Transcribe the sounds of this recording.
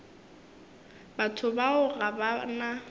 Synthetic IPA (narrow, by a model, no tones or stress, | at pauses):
batʰʊbaʊɣabana